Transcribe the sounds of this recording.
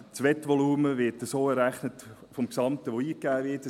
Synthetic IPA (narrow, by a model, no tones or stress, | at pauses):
t͡sʋɛtʋɔluːməʋɪtəsoːɛɾæχnət | fɔmksɑmtəʋoiːkæːʋɪtə